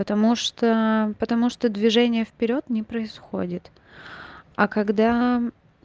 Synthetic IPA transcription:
pət̪ɐmuʂt̪opət̪ɐmuʂt̪od̪vʲɪʐɛnʲɪjəfpʲɪɾʲo̞t̪nʲɪpɾəɪsxo̞̰dʲɪt̪ | ɐkɐɡd̪a

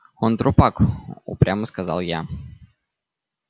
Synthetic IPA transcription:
ɔnt̪ɾopako̰pɾʲaməskəza̰lˠja

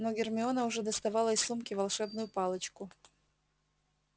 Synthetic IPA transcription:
noɡʲɪrmʲɪonəʊʐɛd̪əst̪ɐvɑlˠəɪslˠumkʲɪvɐlˠʂɛbnʊjʊpɑlˠət͡ɕkʊ

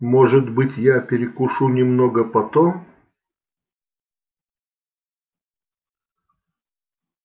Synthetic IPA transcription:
moʐɨt̪bɨtʲjapʲɪɾʲɪkʊʂunʲɪmnoɡəpɐt̪om

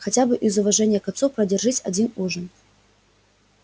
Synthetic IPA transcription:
xat͡sʲabɨʔizʊvaʐɛnʲɪjɐkasɔwpɾɐdʲarʐɨsʲa̰d͡zʲinuʐɨn

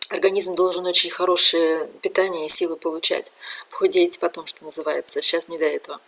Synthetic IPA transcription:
ɐrɡɐnʲizmd̪o̞lˠʐɨno̞t͡ɕɪnʲxɐɾo̞ʂɨjəpʲɪt̪anʲɪjəɪsʲilˠɨpəlˠʊt͡ɕæ̰tʲpxʊdʲetʲpɐt̪o̞mʂt̪onəzɨvajɪt̪səɕːasnʲɪd̪ɐɛt̪əvə

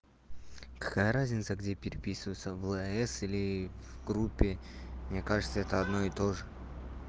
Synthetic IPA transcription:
kɐ̥kajəɾazʲnʲɪt̪səɡdʲepʲɪɾʲɪpʲisɨvəjt̪səvlˠɨɛsilʲɪvɡɾupʲːɪmnʲe̞kaʐɨt̪səɛt̪əɐd̪no̞ɪt̪o̞ʐɨ

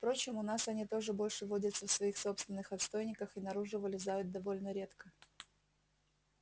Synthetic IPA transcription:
fpɾo̞t͡ɕɪmʊnasɐnʲit̪o̞ʐɨbo̞lʲʂɨvo̞dʲət̪səfsvɐixso̞pst̪vʲɪnːɨxɐt̪st̪o̞jnʲɪkəxɨnɐɾuʐɨvəlʲɪzajʊt̪̚d̪ɐvo̞lʲnəɾʲe̞t̪kə

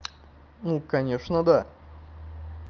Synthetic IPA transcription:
nukaɲʲɛʂnɐd̪a

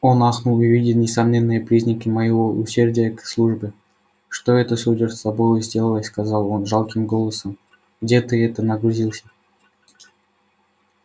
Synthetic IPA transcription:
onɑxnulˠɪvʲidʲɪlˠnʲɪsɐmnʲenːɨjəpɾʲizʲnʲəkʲɪməjɪvoʔʊsʲerdʲɪjəkslˠuʐbʲɪ | ʂt̪oɛt̪əsudʲərsɐbojʊzʲdʲelˠəlˠəskazɑlˠonʐɑlˠkʲɪmɡolˠəsəm | ɡdʲet̪ɨɛt̪ənəɡɾuzʲilˠsʲə̥

